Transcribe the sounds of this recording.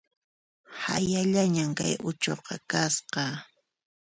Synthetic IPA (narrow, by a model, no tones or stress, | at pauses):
ha̰jaʎaɲamka̰jʊt͡ʃoqɑkasqɑ